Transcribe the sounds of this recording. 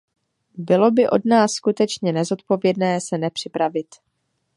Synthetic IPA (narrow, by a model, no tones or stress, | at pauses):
bɪlo̞bɪʔo̞dnaːsːkut̪ɛt͡ʃɲɛnɛzo̞t̪̚po̞vjɛdnɛːsɛnɛpr̝̥ɪpɾavɪt̪